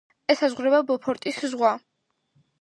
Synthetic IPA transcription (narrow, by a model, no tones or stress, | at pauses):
ɛsazʁɾɛbabɔpʰɔɾt̪ʼiszʁwa